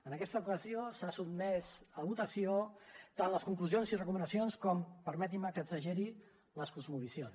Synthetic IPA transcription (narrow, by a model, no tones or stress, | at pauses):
ənəkɛst̪əukəziosasubmɛzəβut̪əsiot̪anləskuŋkluzionsirəkumənəsionskɔmpəɾmɛt̪̬iməkəzəʒɛɾi | ləskuzmuβisjons